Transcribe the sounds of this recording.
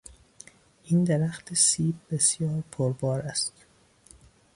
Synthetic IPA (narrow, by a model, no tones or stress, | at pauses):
ʔiːnd̪eɾæxt̪ʰesiːb̚be̞sjɒːɾpʰoɾbɒːɾæst̪